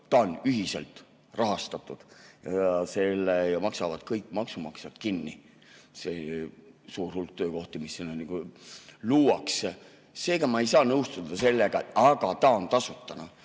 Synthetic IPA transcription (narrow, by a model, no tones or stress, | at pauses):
t̪ɑonyɦiselt̪ | rʔɑɦɑst̪ɑt̪ːˑud̪̥jɑ̰ɑse̞lːejɑmɑksɑvɑd̪̥kɤjkːˑmɑksumɑksjɑt̪kinːi | se | suːrhulk̚t̪øːko̞ht̪imisːinoniɡ̥uluːwɑks | se̞ːɡɑmɑe̞jsɑːnɤwst̪ud̪ɑse̞lːeɡ̥ɑɑɡ̥ɑt̪ɑo̞nt̪ɑsut̪ːˑɑnɑ